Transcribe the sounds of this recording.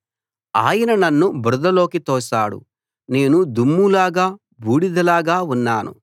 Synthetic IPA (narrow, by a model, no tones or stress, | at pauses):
a̰ːjɐnɐnɐnːubɾud̪ɐlo̞ːkit̪ɔːʃa̰ːɽṵ | ne̞ːnud̪umːulaːɡaː | bʱuːɽid̪ɐlaːɡaːunːaːnṵ